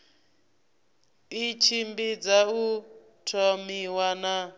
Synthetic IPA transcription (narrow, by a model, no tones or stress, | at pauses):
it͡ʃʰimbid͡zau | tʰɔmiwana